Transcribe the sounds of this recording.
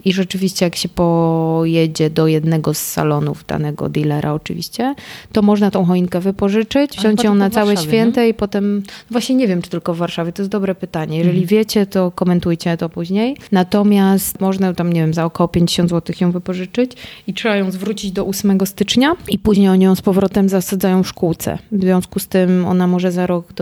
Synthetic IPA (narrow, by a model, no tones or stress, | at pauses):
iʐɛt͡ʂɘvʲiɕt͡ɕɛjakɕɛpɔjɛd͡ʑɛd̪ɔjɛd̪nɛɡɔsːa̰lɔnṵvd̪a̰nɛɡɔ̰d̪ilɛɾʔa̰ɔt͡ʂɨ̰vʲḭɕt͡ɕɛt̪ɔmɔʐnat̪ɔ̃w̃xɔinkɛvɘpɔʐɘt͡ʂɘt͡ɕvʑɔwɲt͡ɕjɔ̃w̃nat̪sawwɛɕfʲjɛnt̪ɛipɔt̪ɛmnɔvwaɕɲɛɲevʲjɛmt͡ʂɨt̪ɘlkɔvːaɾʂavʲjɛt̪ɔjɛsd̪ɔbɾɛpɘt̪aɲɛjɛʐɛlʲivʲjɛt͡ɕɛt̪ɔkɔmɛnt̪ujt͡ɕɛt̪ɔpuʑɲejnat̪ɔmʲjast̪mɔʐnat̪amɲevʲjɛmzaɔkɔwɔpʲjeɲd͡ʑeɕɔ̃nd̪zwɔt̪ɘxjɔ̃w̃vɘpɔʐɘt͡ʂɘt͡ɕitʂɛbajɔ̃w̃zvɾut͡ɕid͡ʑd̪ɔʔusmɛɡɔst̪ɘt͡ʂɲaipuʑɲejɔɲijɔ̃w̃spɔvɾɔt̪ɛmzasad̪zajɔ̃w̃fʂkuwt̪sɛ̰vzvʲjɔ̃w̃skust̪ɘmɔ̰namɔʐɛzaɾɔɡ̪